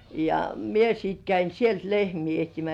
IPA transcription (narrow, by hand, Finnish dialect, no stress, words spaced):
jɑ mie sit kæin sielt lehmiː ehtimæs